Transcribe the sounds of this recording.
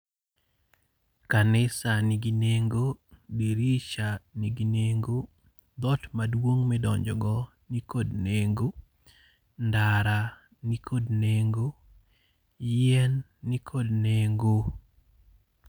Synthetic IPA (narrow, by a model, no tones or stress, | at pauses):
kanɪsaniɡineŋɡobiɾit͡ʃaniɡineŋɡo | d̪ɔtmadwoŋmɛdɔɲd͡ʒɔɡɔ | nikodneŋɡo | ndaɾa | nikʰodneŋɡo | jɛnː | ikʰodneŋɡo